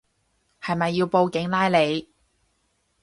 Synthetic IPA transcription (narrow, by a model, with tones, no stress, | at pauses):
hɐ˨jmɐ˨jːiː˧wpo˧wkɪ˨˥ŋlaː˥jle˨˧j